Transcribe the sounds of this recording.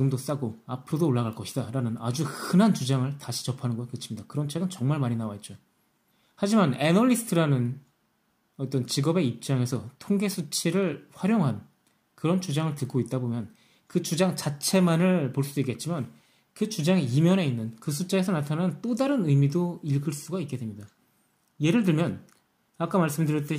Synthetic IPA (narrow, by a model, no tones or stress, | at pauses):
iɡɯmdos͈aɡoapʰɯɾodoːɭːaɡaɭk͈ʌɕʰidaɾanɯnad͡ʑuhɯnɦant͡ɕud͡ʑaŋɯɭtaɕʰi̥t͡ɕʌpʰanɯnɡʌkɯt͡ɕʰimɲidakɯɾʌnt͡ɕʰeɡɯnt͡ɕʌŋmaɭmaɲinawaet̚t͡ɕ͈o | had͡ʑimanenʌʎːisʰtʰɯɾanɯn | ʌt͈ʌnt͡ɕiɡʌbe̞ip̚t͡ɕ͈aŋe̞sʰʌtʰoŋɡe̞sʰut͡ɕʰiɾɯɭɸwaɾjoŋɦan | kɯɾʌnt͡ɕud͡ʑaŋɯɭtɯk̚k͈oit̚t͈abomjʌn | kɯt͡ɕud͡ʑaŋt͡ɕat͡ɕʰe̞manɯɭpoɭs͈ud̥oik͈e̞t̚t͡ɕ͈iman | kɯt͡ɕud͡ʑaŋiimjʌne̞inːɯnkɯsʰut͡ɕ͈aesʰʌnatʰananɯnt͈odaɾɯnɯjmidoiɭɡɯɭs͈uɡaik͈e̞dwe̞mɲida | je̞ɾɯɭt̬ɯɭmjʌn | ak͈amaɭs͈ɯmdɯɾjʌt͈e